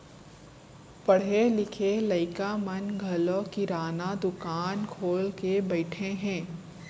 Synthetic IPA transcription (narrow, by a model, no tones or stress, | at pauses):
pɐɽ̤elɪkʰelɐɪkamɐnɡʱɐlokiɾaːnad̪ʊkaːnkʰoːlkebɐɪʈʰẽɦɛ̃ː